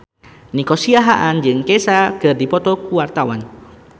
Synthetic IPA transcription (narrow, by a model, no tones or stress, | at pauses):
nikɔsiaɦaʔand͡ʒɨŋkɛsakɨrdipɔt̪ɔkuwart̪awa̰n